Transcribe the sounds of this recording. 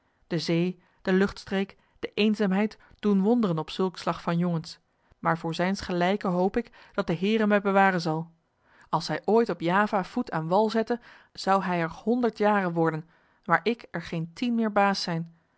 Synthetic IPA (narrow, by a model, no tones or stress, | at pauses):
d̥əzej | d̥əlɵχtstrejk | d̥əʔejnzaːmɦɛjt | d̥unʋɔndərənɔpsɵlˠkslɑχfɑnjoŋəns | maːɹvʊːɹzɛjnsχəlɛjkəɦowpɪk | d̥ɑt̚dəɦɪːrəmɛjbəʋaːrənzɑlˠ | ɑlˠsɛjʔoːjtɔpjaːvaːv̥utʰaːnʋɑlˠzɛtə | z̥ɑwɦɛjɛɹhɔndəɹtjaːrənʋɔɹdən | ʋaːɹʔɪkɛɹχejntinmɪːɹbaːsɛjn